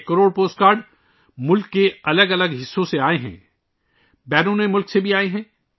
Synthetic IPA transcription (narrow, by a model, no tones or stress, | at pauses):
kəɾoːɽpoːsʈkaːɾɖ | mʊlkːeɐləɡɐləɡɦɪsːõseaːeɦɛ̰̃ː | bɛːɾõnẽmʊlksebʱiaːeɦɛ̃ː